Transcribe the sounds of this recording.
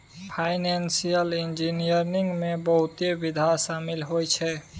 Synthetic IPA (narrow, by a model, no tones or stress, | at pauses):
pʰajnensijəlind͡ʒinijəɾniŋɡmebəɦut̪ebid̪ʱasamilɦojt͡ʃʰɛ